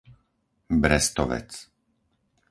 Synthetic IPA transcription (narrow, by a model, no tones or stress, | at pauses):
bɾɛst̪ɔʋɛ̰t͡s